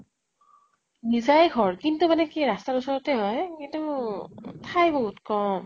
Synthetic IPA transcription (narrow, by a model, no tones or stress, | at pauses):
nizajɡʱɔɹkintumanɛkiɹastaɹusɔɹɔtɛɦɔjkintu | tʰajbɔɦutkɔm